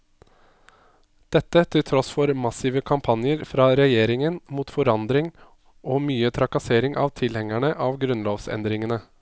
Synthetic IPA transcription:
d̪̥ɛt̪ːət̪ʰɪlt̪ʰɾɔsfɔɾmɑsiːʋəkʰɑmpʰɑnjəɾfɾɑːɾɛjeːɾɪŋənmuːt̪fɔɾɑnd̪ɾɪŋ | ʔoːmyːət̪ʰɾɑkɑseːɾɪŋʔɑ̰ʋt̪ʰɪlhɛŋæɳəʔɑːʋɡɾʉnloːʋsɛ̰nd̪ɾɪŋənə

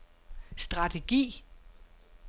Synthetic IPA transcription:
sd̥ʁɑ̈t͡sʰe̝ɡ̥ḭː

